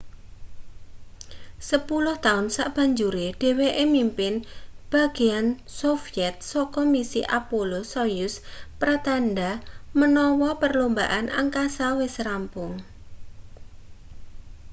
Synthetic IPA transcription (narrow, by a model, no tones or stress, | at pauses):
səpulʊht̪aʊnsaʔb̥a̤ɲd͡ʒuɾeɖ̥e̤weʔemimpɪnb̥a̤ɡ̥e̤an | sofiɛt̪̚sɔkɔmisḭʔapolosɔjʊspɾat̪anɖamənɔwɔpərlombaʔana̰ŋkasawɪsrampʊŋ